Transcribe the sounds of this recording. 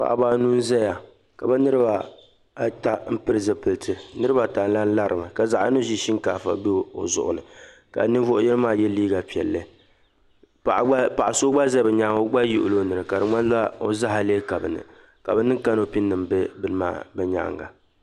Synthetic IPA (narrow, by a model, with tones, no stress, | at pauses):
pa̰˨ʔba˦nu˦n˦zɛ˦ja˨ | ka˨bɛ˦nɨ˦ɾɨ˦ba˨˦ | ta˨m̩˦pɨ˦ɾɨ˦zɨ˨pɨ˨ltʰɨ˨nɨ˦ɾɨ˦ba˨ta˨n˦la˦n̩˦la˦ɾɨ˨mɨ˨ka˨za˨ʔno˦ʒi˦ʃi˦ŋkaː˨fa̰˨˦be˦˨o̰˨zʊ̰˨ʔʊ̰˨nɨ˨ | ka̰˨nɨ˦vʊ˦ʔʊ˦jɛ˦ɾɨ˦maː˦jɛ˦liː˦ɡa˨pi˨ɛ̰˨lːɨ˦ | pa˨˦pa˨ʔa˨so˦ɡ͡ba˦zɛ˦bɛ˨ɲa˦ŋo˦ɡ͡ba˦jʊ˦ʔʊ̰˨lo˦nɨ˨ɾɨ˨ka˨dɨ˨ma˦n˦za˦o˦za˦ɦa˨leː˦ka˨bɨ˨nɨ̰˨ | ka̰˨bɛ˦nɨ˦ka˦no˦pi˦nːɨ˨mbɛ˦bɨ˦lma̰ː˦bɛ˦ɲa̰˨˦˨ŋɡa̰˨